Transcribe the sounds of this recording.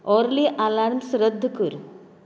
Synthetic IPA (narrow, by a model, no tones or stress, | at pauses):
ɔɾliʔalaɾnsɾəd̪ʱːkuɾ